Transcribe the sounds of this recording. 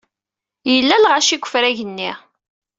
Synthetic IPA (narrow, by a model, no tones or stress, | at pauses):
jəlːælʁaʃiɡʷːə̥fɾæʝənːi